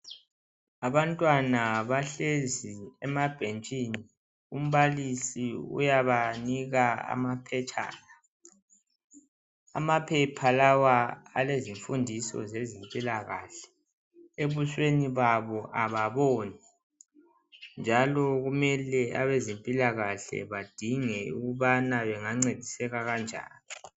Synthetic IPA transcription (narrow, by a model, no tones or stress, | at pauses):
aβantʼwanaβaɬeziɛmab̥ʱent͡ʃʼiːni | ṵm̩βalisiṵjaβaniɣaa̰mapʰɛt͡ʃʰʼa̰ːla | a̰mapʰɛpʰalawaa̰leziɱfundʱisɔ̰zezimpʼilaɣa̰ɬɛ̥ | eβuʃweniβaβɔʔaβaβɔːni | nd͡ʒʱalɔɣumɛlɛa̰βezempʼilaɣaɬɛ̰βad̥ʱiŋɛṵɣuβanaβɛŋaŋ͡ǀed̥ʱisɛɣaɣand͡ʒʱa̰ːni